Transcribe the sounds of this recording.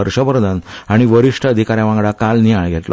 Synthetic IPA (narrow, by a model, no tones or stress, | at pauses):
əɾɕəbəɾd̪ʱənaɽ̃iʋəɾiʂʈʰəːd̪ʱikaɾjaʋãŋɡɭakalnijaɭɡʱetlɔ̰